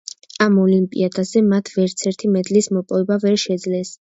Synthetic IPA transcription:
amɔlimpʼḭad̪azɛmat̪ʰvɛɾt̪sʰɛɾt̪ʰimɛd̪lismɔpʼɔvɛbavɛɾʃɛd̪zlɛs

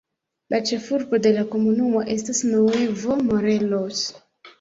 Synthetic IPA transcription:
lat͡ʃefuɾbodelakomunumoʔestasnowevomoɾelos

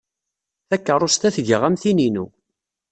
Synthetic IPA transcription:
θækːəɾˤost̪æθʝəʁæmθininṵ

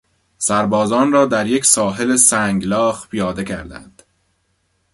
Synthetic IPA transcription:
sæɾbɒːzɒːnrɒːd̪æɾje̞cʲsɒːɦe̞lesæːŋɡlɒːxpʰijɒːd̪e̞cʰæɾd̪æ̰nd̪̥

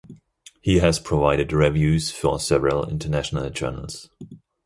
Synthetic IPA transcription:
hiɨz̥pʰɹ̥əvaɪɾɨdɹɛvjʉz̥fəsɛvəɹəlˠɪ̰̃ntʰənæʃənəlˠd͡ʒɜ̰ːnə̰l̩ˠz̥

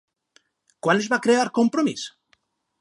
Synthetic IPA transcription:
kwanezβakɾeaɾkompɾomis

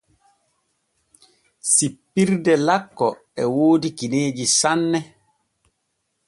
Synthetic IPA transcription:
sipːiɾdɛlakːɔ | ɛwoːdikineːd͡ʒisanːɛ

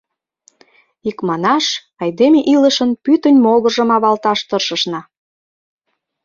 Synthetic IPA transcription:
ikmɑnɑʃ | ɑjd̪emeʔiləʃənpyt̪ənʲmoɣə̆ʒə̆mɑβɑlt̪ɑʃt̪ɤrʃəʃnɑ

